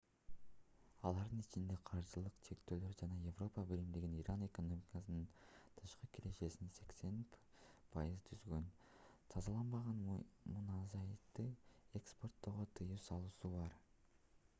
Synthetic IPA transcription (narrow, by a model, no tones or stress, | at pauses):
ɑ̰lˠɑɾd̪ɯnit͡ʃind̪e̞qʰɑɾʒɯlˠɯqt͡ʃʰe̞kt̪øːlø̞ɾd͡ʒɑnɑje̞vro̞pɑbilimd̪iɡʲiniɾʔane̞ko̞no̞mʲikɑsɯnɯnt̪ʰɯʃqɯkʰiɾe̞ʃe̞sinse̞kse̞npʰɑ̰jɯzt̪ʰyzɡø̞n | t̪ʰɑzɑlˠɑnbɑʁɑnmunɑzɑjt̪ːɯekspo̞rt̪ːo̞ʁot̪ʰɯjɯwsɑlˠuːsubɑɾ